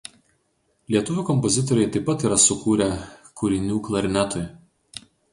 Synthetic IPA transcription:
lʲiɛt̪ʊʋʲuːˑkɔmpɔzʲɪt̪ɔɾʲɛɪt̪ɐɪpːɐt̪iːɾɐsʊkuːɾʲɛkʰʊɾʲɪnʲuːklˠɐɾʲɪnʲæt̪ɔj

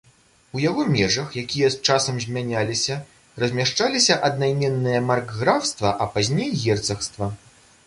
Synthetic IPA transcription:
ujaɣɔmʲɛʐɐxjakʲijɐst͡ʂasɐmzʲmʲanʲalʲisʲɐ | rɐzʲmʲaʂt͡ʂalʲisʲɐʔɐd̪̚najmʲɛnːɨjɐmarɡːɾawst̪vɐʔɐpazʲnʲejɣʲɛrt̪sɐxst̪vɐ

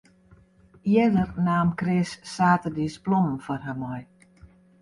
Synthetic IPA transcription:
jədərnaːmkrɪsːaːtədisplɔm̩fɔrɦamɔj

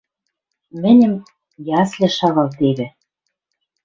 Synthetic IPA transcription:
mɘ̆nʲɘ̆m | jɑslʲĕʃɑɣɑlt̪eβɘ̆

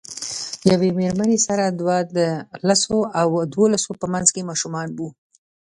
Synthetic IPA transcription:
jawemeɾmanesaɾad̪wad̪əlasoawd̪wolasopəmanzkemɑʃumɑnbu

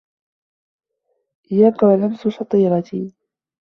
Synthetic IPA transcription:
ʔɪjaːkawalamsʊʃɑt̪ˤiːɾɑt̪iː

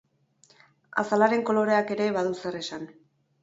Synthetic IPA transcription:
a̰salaɾe̞ŋko̞lo̞ɾe̞ake̞ɾe̞βaðusere̞san

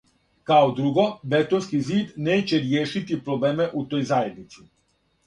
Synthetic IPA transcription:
kawd̪ɾuːɡɔbɛt̪ɔnskiziːd̪nɛt͡ʃɛɾjeːʃit̪ipɾɔbleːmɛʔut̪ɔjzaːjed̪nit̪si

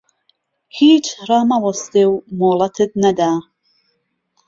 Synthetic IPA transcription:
hiːt͡ʃʰɾamawɔsd̪ewmoːlˠat̪ʰɨd̪nad̪aː

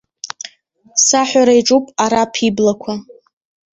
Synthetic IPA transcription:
saħʷaɾaiʈ͡ʂʼupʼaɾapʰiblakʷʰa

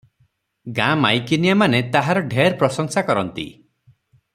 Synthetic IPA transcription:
ɡãmajkinijamanet̪aɦaɾɔɖʱeɾpɾɔsɔŋsakɔɾɔnt̪ḭ

